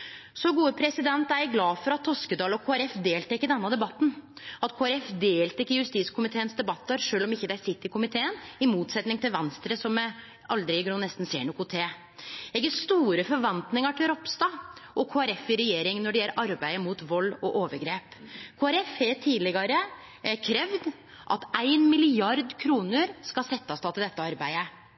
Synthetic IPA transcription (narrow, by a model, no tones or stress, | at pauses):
sɔɡuːəpʰɾɛsɪd̪ɛnt̪æɾjæɡlɑːfɔɾɑt̪ʰːɔskəd̪ɑːlɔkʰoːæɾɛfd̪eːlt̪ʰɛkːəd̪ɛnːəd̪ɛbɑt̪ːn̩ɑt̪kʰoːæɾɛfd̪eːlt̪ɛkːəjʉst̪iːskʰʊmɪt̪ʰeːənsd̪ɛbɑt̪ːəɾʂøːlɔmɪçːəd̪ææɾsɪt̪ːɪkʊmɪt̪ʰeːənɪmuːt̪sɛt̪nɪŋt̪ɪlʋɛnst̪ɾəsɔm | ɑld̪ɾɪɡɳuːnɛst̪n̩sḛːɳʊkʊt̪ʰeː | ɛɡəst̪uːɾəfɔɾʋɑnt̪nɪŋəʈʰɪlɾɔpst̪ɑʔɔkʰoːæɾɛfɪɾɛjeːɾɪŋnɔɖɛjɛlːəɾʔɑɾbæɪəmuːt̪ʋɔlːɔʔoːʋəɾɡɾeːpkʰoːæɾɛfɛt̪ʰiːlɪɡɑɾə | kʰɾɛʋd̪ | ʔɑ̰t̪æɪnmɪlɪɑɾd̪kʰɾuːnəɾskɑsɛt̪ːɑst̪ɑt̪ɪld̪ɛt̪ːəɑɾbæɪə